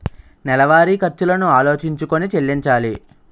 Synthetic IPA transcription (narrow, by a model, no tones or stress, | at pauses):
nɛlɐʋaːɾikɐɾt͡ʃulɐnuaːlo̞ːt͡ʃiɲt͡ʃukonit͡ʃe̞lːiɲt͡ʃaːli